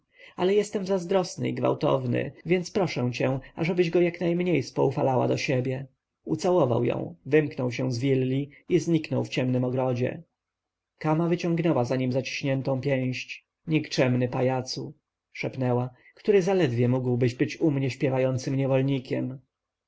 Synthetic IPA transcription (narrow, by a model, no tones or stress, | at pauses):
alɛjɛst̪ɛmzazd̪ɾɔsnɘ̰ḭɡva̰wt̪ɔ̰vnɘ̰vʲjɛnt̪spɾɔʂɛ̃w̃t͡ɕɛ̃aʐɛbɘʑɡɔjaknajmɲejspɔufalawa̰d̪ɔɕɛbʲjɛ | ṵt̪sawɔva̰wjɔ̰̃w̃vɘmknɔwɕɛw̃zvʲilːiizɲiknɔwft͡ɕɛmnɘmɔɡɾɔd͡ʑɛ̰ | kamavɘt͡ɕɔ̃ŋɡnɛwazaɲimzat͡ɕi̥ɕɲɛnt̪ɔ̃w̃pʲjɛ̃w̃ɕt͡ɕ | ɲikt͡ʂɛmnɘpajat̪su | ʂɛpnɛwa | kt̪uɾɘzalɛd̪vʲjɛmuɡwbɘʑbɘt͡ɕumɲɛɕpʲjɛvajɔnt̪sɘmɲɛvɔlɲikʲɛm